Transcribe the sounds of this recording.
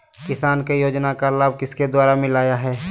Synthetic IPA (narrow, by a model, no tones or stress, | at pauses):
kɪsaːnkejoːd͡ʒnakalaːb̚kɪsked̪waːɾamɪ̃laːjaɦɛː